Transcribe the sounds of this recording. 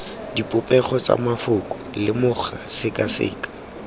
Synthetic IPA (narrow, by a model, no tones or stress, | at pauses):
dipʼʊpʼɛχɔt͡sʼa̰mafʊkʼʊlɪmʊχasɪkʼasɪ̰ːkʼḁ